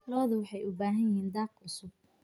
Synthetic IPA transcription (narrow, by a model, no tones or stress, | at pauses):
kʰɐlɔːðɐwɑħɑjʊbaːɦɐnjɪɦiːnd̪aːqʕʊsʊb̚